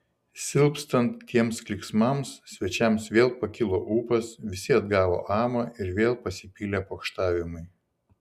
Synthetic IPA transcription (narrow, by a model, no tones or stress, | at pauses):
sʲɪlˠpst̪ɐnt̪ːʲiɛmsklʲɪksmɐmssʲʋʲɛt͡ʃʲɛmsʋʲeːlˠpɐkʲɪlˠoːʔuːpɐsʋʲɪsʲɪɐd̪ɡɑːʋo̰ːʔɑːmɐɪɾʋʲeːlˠpɐsʲɪpʲiːlʲepoːkʃt̪ɑːʋʲɪmʊɪ